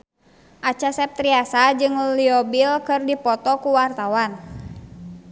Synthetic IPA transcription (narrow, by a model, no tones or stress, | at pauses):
ʔat͡ʃasɛp̚t̪ɾiasad͡ʒɨŋliɔbilkɨrdipɔt̪ɔkuwart̪awan